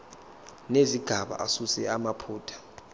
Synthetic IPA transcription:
neziɡ̥ʱaɓa̰ʔasusɛamapʰuːtʰḁ

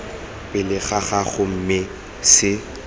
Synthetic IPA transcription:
pɪlɪɣaɣaɣʊm̩mɪ | sɪ

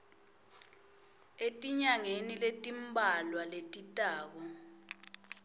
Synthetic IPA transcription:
etʼiɲaŋeniletʼimbʱalwaletʼitʼaːk̬ɔ

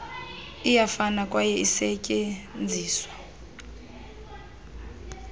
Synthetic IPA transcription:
ijafanakʼwajɛisɛcʼɛnd͡zʱiːswḁ

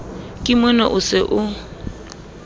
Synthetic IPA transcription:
kʼɪmwɛna̰ʔʊsɪʔʊ

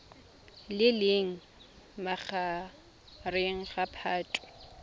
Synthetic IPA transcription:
lɪlɪŋ̩ | maχʰa | reŋ̩χapʰaːtʼʊ̥

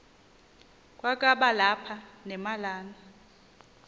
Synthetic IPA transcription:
kʼwakʼaɓalapʰanɛmalaːna

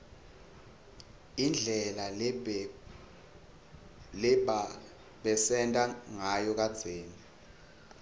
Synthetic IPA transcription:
ind͡ɮʱɛla | lɛɓa | ɓɛsɛntʼaŋajɔk̬ʼad̥z̥ʱeːni

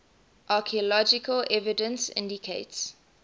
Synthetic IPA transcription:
ʔakʰiəlɔd͡ʒɪkəlʔɛvidə̃nsɪ̰̃ndikʰeɪts

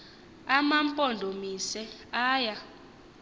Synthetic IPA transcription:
amampʼɔndʱomisɛaːja

